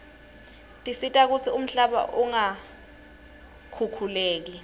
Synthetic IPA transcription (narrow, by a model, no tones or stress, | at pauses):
tʼisitʼak̬ut͡sʰium̩ɬaɓa̰ʔuŋa | kʰukʰuleːk̬i